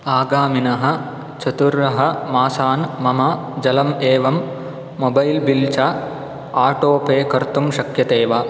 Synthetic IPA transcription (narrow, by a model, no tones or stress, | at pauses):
aːɡaːminɐɦɐ̆ | t͡ʃɐt̪uɾɐɦɐ̆maːsaːnmɐmɐ | d͡ʒɐlɐmeːʋɐmː | obɐjlbilt͡ʃaː | aːʈoːpeːkɐɾt̪umʃɐkjɐt̪eːʋa